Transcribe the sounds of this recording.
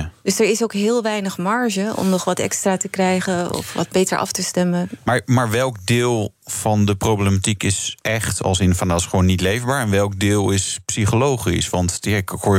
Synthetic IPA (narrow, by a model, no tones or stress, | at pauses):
døsəɹɪsowkɦɪːlˠʋɛjnəχmɑɹʒəɔ̰mnɔχʋɑtɛ̰kstraːtəkrɛjχəɔ̰fʋɑ̰d̚bejtəɹʔɑ̰ftəstɛməmaːɹmaːɹʋɛlˠk̚dɪːlˠ | v̥ɑndəprowblematikɪsʔɛχtɑ̰lˠsɪnfandaːɪsχəʋownːitlejvbaːɹɛnʋɛlˠk̚dɪːlˠɪspsiχolowχḭsʋɑntaɪkʊ